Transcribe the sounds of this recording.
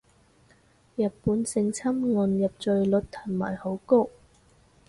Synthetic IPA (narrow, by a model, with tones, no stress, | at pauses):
jɐ˨t̚puː˨˥nsɪ˧ŋt͡sʰɐ˥mŋɔ˨˧njɐ˨p̚t͡ʃɵ˨˧ɥlɵ˨˥t̚t̪ʰɐ˨˩nma̰ː˨˩jho˨˥wko˥